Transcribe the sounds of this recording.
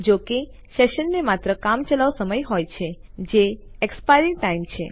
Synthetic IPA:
d͡ʒoke | seʃənːemat̪ɾəkamt͡ʃəlaʋsəməjɦojt͡ʃʰed͡ʒeekspajɾiʈːaimt͡ʃʰe

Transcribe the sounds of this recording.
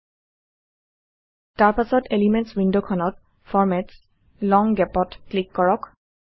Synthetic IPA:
taɹpasɔtelimɛntswindokʰɔnɔt̚ | fʰɔɹmɛts | lɔŋɡɛpɔtːlikːɔɹɔk

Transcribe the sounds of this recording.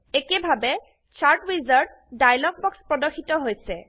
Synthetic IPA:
ekebʱabɛ | t͡ʃʰaɹʈɹizaɹd̚ | dajlɔɡ̚bɔkspɹɔdɔxʰitɔɦojsɛ

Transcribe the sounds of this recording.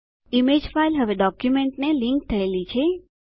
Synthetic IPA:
imed͡ʒfajlɦəʋeɖɔkjumeɳʈnelĩŋk̚t̪ʰəelit͡ʃʰe

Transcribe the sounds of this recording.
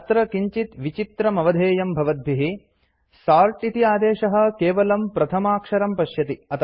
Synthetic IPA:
t̪ɾɐkiɲt͡ʃit̪ʋit͡ʃit̪ɾɐmɐʋɐd̪ʱeːjɐmbʱɐʋɐd̪̚bʱiɦi | saːɾʈit̪iaːd̪eːʃɐɦɐ̆keːʋɐlɐmpɾɐt̪ʰɐmaːkʂɐɾɐmpɐʃjɐt̪iɐt̪ʰ

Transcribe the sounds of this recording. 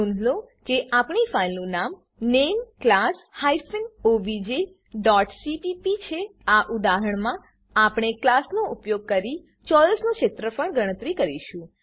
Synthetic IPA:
ũnd̪ʱlokeʔapɳifailnũnam | nemklashajsənoʋid͡ʒe | ɖɔʈsipipit͡ʃʰeaʔud̪aɦəɳmã | apɳ̃eklasnoʔʊpjoɡ̚kəɾi | t͡ʃɔləsnõʃet̪ɾəpəɳɡʱəɽ̃ət̪ɾikəɾiʃũ

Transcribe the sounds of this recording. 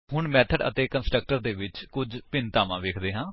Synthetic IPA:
ɦʊɳmɛːt̪ʰəɖə̰t̪eːkənsʈɾək̚ʈəɾd̪eːʋɪt͡ʃkʊd͡ʒpɪnt̪aːʋãːʋeːkʰd̪eːɦãː

